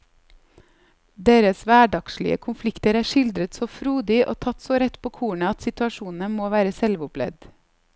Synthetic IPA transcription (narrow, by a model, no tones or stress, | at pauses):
d̪eːɾəsʋæːɖɑkʃlɪ̰ə̰kʰʊnflɪkt̪əɾæːʃɪld̪ɾət̪soːfɾuːd̪ɪʔo̰ːt̪ʰɑt̪soːɾɛt̪pʰoːkʰuːɳəɑt̪sɪt̪ʉɑʃuːn̩əmoːʋæːɾəsɛlʋʊplɛ̰d̪